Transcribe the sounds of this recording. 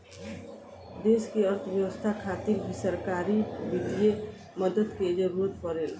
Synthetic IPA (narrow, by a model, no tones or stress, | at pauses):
d̪eskeəɾt̪ʰəbjəʋəst̪ʰakʰat̪iɾbʱisəɾkaɾibid̪ije | məd̪əd̪ked͡ʒəɾod̪ʱpəɾel